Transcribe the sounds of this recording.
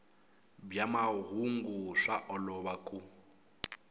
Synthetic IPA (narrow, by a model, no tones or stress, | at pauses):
bjamaɦuŋɡuʂaʔɔlɔβakʼu